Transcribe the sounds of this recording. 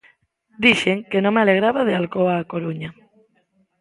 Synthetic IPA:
d̪iʃeŋkenõŋmealeɣɾaβaðealkoaːkoɾuɲa

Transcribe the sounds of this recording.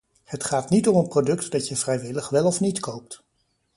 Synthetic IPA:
hətχaːtnitɔmənprodɵktdɑtjəv̥rɛjʋɪləχʋɛlˠɔfnitkowp̚t

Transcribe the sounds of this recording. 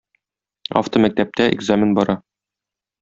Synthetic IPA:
a̰ft̪omæk̚t̪æp̚t̪æʔɪ̰ɡzamʲɪnbɒɾɑ

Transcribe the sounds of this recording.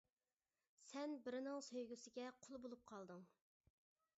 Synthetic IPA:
sɛnbɪɾɪnɪŋsøjɡʲysɪɡʲɛqʰʊlˠbolˠup̚qʰɑlˠd̪ɨŋ

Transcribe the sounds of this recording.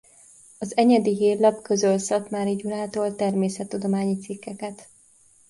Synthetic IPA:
ɒzɛɲɛd̪iɦeːllɒpkøzølsɒt̪maːɾiɟuɾaːt̪oːlt̪ɛrmeːsɛt̪ːud̪o̞maːɲit̪sikːɛkɛt̪

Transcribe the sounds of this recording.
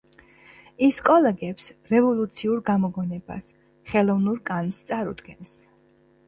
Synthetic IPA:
iskʼɔlɛɡɛpsɾɛvɔlˠut̪sʰiuɾɡamɔɡɔnɛba̰s | χɛlˠɔvnuɾkʼanst̪sʼaɾṵd̪̥ɡɛns

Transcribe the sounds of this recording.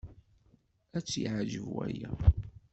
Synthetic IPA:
æt͡sːiʕʒəvæjæ

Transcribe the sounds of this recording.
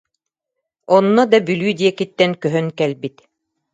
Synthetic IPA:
ɔnːɔd̪ɑbylyːd̪ijɛkit̪ːɛŋkœɦœnkɛlbit̪

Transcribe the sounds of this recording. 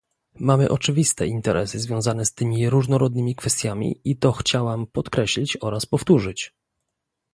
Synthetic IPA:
mamɘ̰ʔɔt͡ʂɘvʲist̪ɛ̰ʔint̪ɛɾɛ̰sɘzvʲjɔ̃w̃zanɛst̪ɘmʲiɾuʐnɔɾɔd̪̚nɘmʲikfɛst̪ʲjamʲḭit̪ɔxt͡ɕawampɔt̪kɾɛɕlʲit͡ɕɔɾaspɔft̪uʐɘt͡ɕ

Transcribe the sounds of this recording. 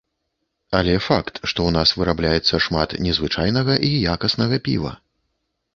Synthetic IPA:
ɐlʲɛfakt̪ʂt̪ɔwnasvɨɾablʲajɛt̪sːɐʂmat̪nʲɛzvɨt͡ʂajnɐɣɐʔijakɐsnɐɣɐpʲḭvɐ̰

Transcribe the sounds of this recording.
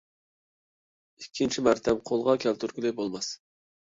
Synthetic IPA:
ikʲʰːint͡ʃʰimɑɾt̪ʰɛmqʰolˠʁɑkʲʰɛlt̪ʰyɾkʲylˠɪbolˠmɑs

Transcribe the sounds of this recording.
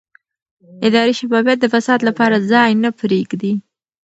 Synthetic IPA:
ɪd̪ɑɾiʃabɑbjat̪̚d̪əfasɑd̪lapɑɾazɑjnapɾeɡd̪i

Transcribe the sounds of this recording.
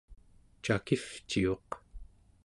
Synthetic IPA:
t͡ʃakift͡ʃio̞q

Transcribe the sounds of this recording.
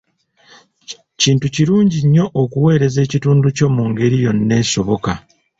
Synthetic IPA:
ciːntuciɾuːɲɟiɲːo̞ʔokuwe̞ːɾe̞ze̞ːcituːnduco̞muŋɡe̞ɾijo̞nːe̞ːso̞βo̞ka

